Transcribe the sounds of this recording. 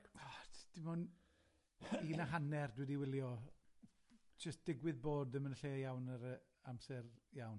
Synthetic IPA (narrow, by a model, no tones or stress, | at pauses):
ɔd̥ɪmʊn | iːnaɦanɛrdwɛdiwɪlˠjɔ | d͡ʒ̥əstd̥ɪɡwɪðboːdəmənɬeːjawnəɾə | amsɛrjawn